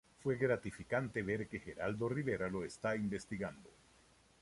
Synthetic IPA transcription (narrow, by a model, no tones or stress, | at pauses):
fwe̞ɣɾat̪ifikant̪e̞βe̞ɾke̞xe̞ɾald̪o̞riβe̞ɾalo̞est̪aimbe̞st̪iɣand̪o̞